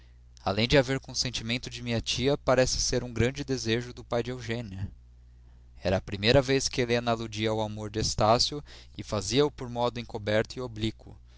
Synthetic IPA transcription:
a̰lẽj̃d͡ʒɪaveɾkõsẽnt͡ʃimẽnt̪ʊd͡ʒɪmĩɲɐt͡ʃiɐpaɾɛsɪ̥seɾũɡɾɐ̃d͡ʒɪd̪ezeʒʊd̪ʊpajd͡ʒɪewʒẽniɐ | ɛɾɐːpɾimejɾɐveskɪelenɐalud͡ʒiɐwamoɾd͡ʒɪest̪asjʊ | ɪfaziɐʊpoɾmɔd̪ʊẽŋ̃kobɛɾt̪ʊɪoblikʰʊ̰

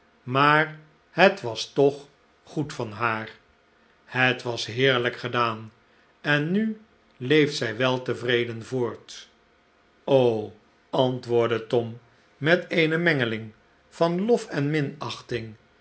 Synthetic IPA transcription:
maːɹ | hətʋɑstɔχ | χutfɑnɦaːɹ | hətʋɑsɦɪːɹləkχədaːn | ɛnːy | lejftsɛjʋɛlˠtəvrejdənvʊːɹt | ow | ɑntʋʊːɹdətɔmː | ɛteɪjnəmɛŋəlɪŋ | fɑnlɔfɛnmɪnɑχtɪŋ

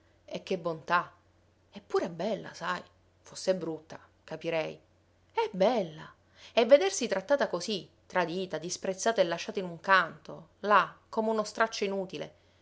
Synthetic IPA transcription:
ek̟ːebːont̪a | ɛpːuːɾɛbːɛlːa̰saj | fosːɛbɾut̪ːa | kapiɾɛj | ɛbɛlːa̰ | ɛvːed̪ersit̪ɾat̪ːaːt̪akosit̪ːɾad̪iːt̪ad̪ispɾet̪sːaːt̪aelːaʃːaːt̪ainuŋkant̪olakːomeunost̪ɾat͡ʃːoinuːt̪ilḛ

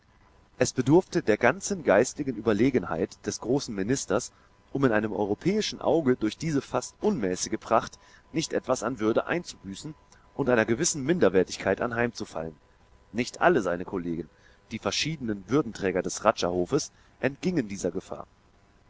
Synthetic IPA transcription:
ʔɛsb̥ədʊɐftədeːɐɡant͡sn̩ɡaɪstɪɡn̩ʔyːbɐleːɡən̩ha̰ɪtd̥ɛsɡ̥ʁoːsn̩mɪnɪstɐs | ʔʊmɪnʔaɪnəmʔɔ̰ʏʁopʰɛːɪʃn̩ʔa̰ʊɡədʊɐçd̥iːzəfastʔʊnmɛːsɪɡəpʁ̥aχt | nɪçtʔɛtv̥asanvʏɐdəʔa̰ɪnt͡subyːsn̩ | ʔʊntʔaɪnɐɡəvɪsn̩mɪndɐvɛːɐtɪçkʰaɪtʔa̰nɦaɪmt͡sufa̰lən | nɪçtʔa̰ləzaɪnəkʰoleːɡn̩ | d̥iːfɛɐʃiːdənənvʏɐdn̩tʁ̥ɛːɡɐdɛsʁat͡ʃahoːfəs | ʔɛntɡ̥ɪŋəndiːzɐɡəfa̰ːɐ

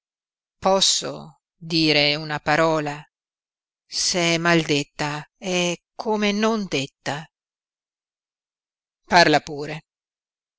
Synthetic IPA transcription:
pɔsːo̰ | d̪iːɾeunapaɾɔːla | seɛmald̪et̪ːaɛkʰoːmenond̪et̪ːa | parlapuːɾe

